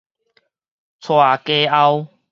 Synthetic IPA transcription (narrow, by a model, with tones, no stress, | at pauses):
t͡sʰwaː˨˩ke˦a˦˧w